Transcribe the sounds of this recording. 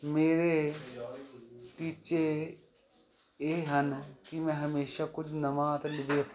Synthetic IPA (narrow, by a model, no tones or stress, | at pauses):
meːɾe | ʈiːt͡ʃe | eːɦɐnkimɛ̃ɦɐmeːʃakʊt͡ʃʰnɐmaːt̪lɪbeː